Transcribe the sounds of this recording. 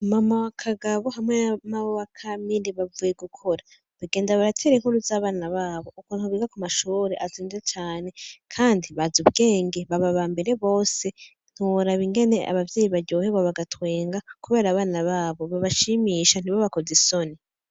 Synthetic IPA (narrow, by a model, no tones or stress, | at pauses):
mamawakʰaɡaβo̞ɦamŋennaβowakʰamiɾiβavuje̞ɡukʰo̞ɾa | βaɡe̞ːndaβaɾatʰe̞ɾiŋ̥huɾuzaːβaːnaβaːβo̞ʔukuːntuβiːɡakumaʃuːɾeʔaziːnzet͡ʃaːne̞kʰaːndiβazuβɡe̞ːŋɡe̞βaβaβambe̞ɾe̞βo̞ːse̞ | n̥uɾaβiŋɡe̞ne̞ʔa̰βavjeːjiβaɾɟo̞ːheβaβaɡatweːŋɡakuβe̞ːɾaːβaːnaβaːβo̞βaβaʃimiːʃan̥iβoβako̞zeso̞ni